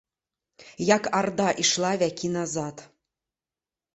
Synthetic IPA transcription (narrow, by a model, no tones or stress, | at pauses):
jɑkɑrd̪ɑʔiʃlˠɑvʲækinɑzɑt̪